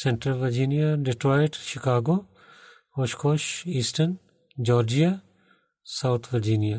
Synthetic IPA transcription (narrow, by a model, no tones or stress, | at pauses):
sɛɳʈɾəlʋɐɾd͡ʒiːnijaɖɪʈɾɔːɪʈʃɪkaːɡoː | oːʃkoːʃiːsʈən | d͡ʒɔːɾd͡ʒija | sawt̪ʰʋɐɾd͡ʒiːnija